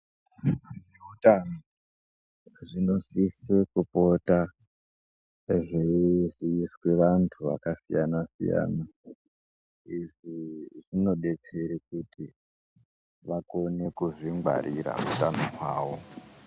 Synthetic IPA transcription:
ʐeutano | ʐino̞sisekupo̞ta | ʐeʐiːswe̞ʋantʰuʋa̰kasijanasḭja̰ːna | iʐiʐino̞ɗe̞t͡se̞ɾikutʰi | ʋako̞ne̞kuʐiŋɡwa̰ɾiɾa̰utanokwa̰ːwo̞

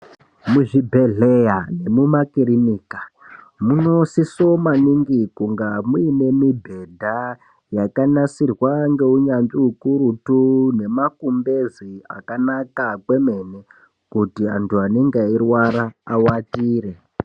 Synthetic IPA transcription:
muʐibʱeɮejane̞mumakiɾiniːka | muno̞sisomaniŋɡikuŋɡamuine̞mibʱe̞dʱa | jakanasirwaŋɡe̞uɲanʐiukuɾutune̞makumbezia̰kanakakwe̞mene | kutiantuaneŋɡeirwaɾaːwatiːɾe

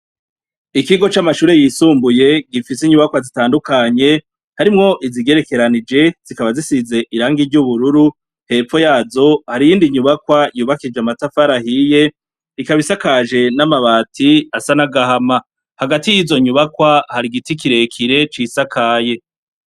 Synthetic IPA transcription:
ikiɡo̞t͡ʃamaʃuːɾe̞jisuːmbuje̞ɡifis̬iɲuβakwazitaːndukaɲe̞ | haɾimŋo̞ʔiziɡe̞ɾe̞ke̞ɾanid͡ʒe̞z̥ikaβazisize̞ʔiɾaːŋɡiɾɟuβuɾuɾu | he̞ːfo̞jaːzo̞haɾijiːndiɲuβakwajuːβakid͡ʒeamatafaɾahije̞ | ɾikaβisakaʒe̞namaβaːtʰiasanaɡahama | haɡatijizo̞ɲuβakwahaɾiɡitikiɾe̞kʰiɾe̞t͡ʃisakʰaːje̞

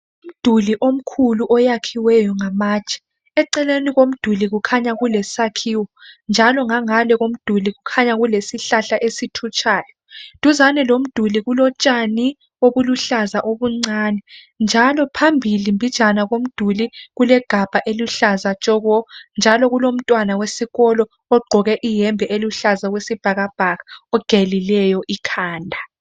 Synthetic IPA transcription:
um̩d̥ʱuliʔom̩kʰuluʔɔjakʰiwɛjɔŋamaːt͡ʃʼɛ̥ | ɛǀɛleniɣom̩d̥ʱuliɣukʰaɲaɣulɛsakʰiːwɔnd͡ʒʱalɔŋaŋalɛɣom̩d̥ʱuliɣukʰaɲaɣulesiɬaɬaʔesitʰut͡ʃʼʰaːjɔ | tʼuzanɛlom̩d̥ʱuliɣulɔt͡ʃʼani | oβuluɬazaʔoβuŋ͡ǀaːnɛ | nd͡ʒʱalɔpʰambʱilimbʱit͡ʃʼanaɣom̩d̥ʱuliɣulɛɡ̥ʱab̥ʱaʔeluɬazḁt͡ʃʼɔɣɔnd͡ʒʱalɔɣulom̩tʼwanawesiɣɔlɔ | ɔɡ͡ǃʱɔɣɛʔijɛmbʱɛʔeluɬazawesib̥ʱaɣab̥ʱaɣaɔɡ̥ʱelilɛjɔʔikʰaːndʱa

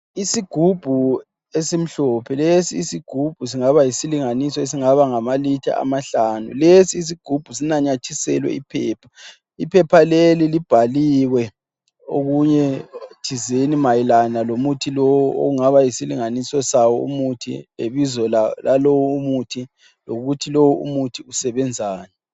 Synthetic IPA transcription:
isiɡ̥ʱub̥ʱu | esim̩ɬɔpʰɛlesiːsiɡ̥ʱub̥ʱus̬iŋaβajisiliŋanisɔes̬iŋaβaŋamalitʰa̰a̰maɬaːnṵlesiːs̬iɡ̥ʱub̥ʱusinaɲat͡ʃʰisɛ̰lwɛ̰ipʰɛːpʰa | ipʰɛpʰalelilib̥ʱaliwɛ | o̰ɣuɲɛt͡ʃʰizenimajilanalomutʰilowuo̰ɣuŋaβajisiliŋanisɔsawɔṵmutʰḭḛβizɔllalowuumutʰi | loɣutʰilowuṵmutʰiusɛβɛnd͡zʱaːnɛ

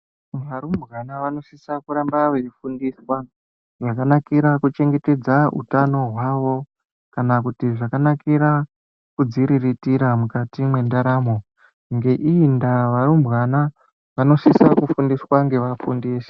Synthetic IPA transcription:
ʋaɾumbɣanaʋano̞sisakuɾambaʋefundiswa | ʐakanakiɾakut͡ʃe̞ŋɡe̞te̞d͡zaṵtano̞ɦwaʋo̞ | kanakutiʐakanakiɾa | kud͡ziɾiritiɾamukatimwe̞ndaɾaːmo̞ | ŋɡe̞ʔindaʋaɾumbɣana | ʋano̞sisakufundiswaŋɡe̞ʋafundiːse̥

